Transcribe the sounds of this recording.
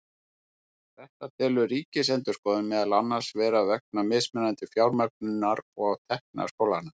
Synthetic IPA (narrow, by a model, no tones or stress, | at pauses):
θɛht̪at̪ʰɛːlʏriːcɪsɛnt̪ʏskɔːðʏnmɛðalanːḁsvɛːɾavɛk̚namɪːsmɛnːant̪ɪfjawɾmœk̚nʏnːaɾɔɣt̪ʰɛhkna̰̥skowlaɾna